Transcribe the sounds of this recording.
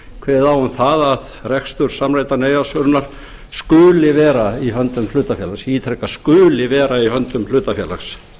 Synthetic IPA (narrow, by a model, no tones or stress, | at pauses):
kʰvɛːðawhunθaðað | rɛkst̪ʏɾ̥samɾaːjt̪aneːjasœɾnaɾ̥ | skʏːlɪvɛːɾaiɦœnt̪ʏmlʏːt̪afjɛːlasiiːt̪ʰɾɛkːaskʏːlɪvɛːɾaihœnt̪ʏmfl̥ʏːt̪afjɛːla̰xs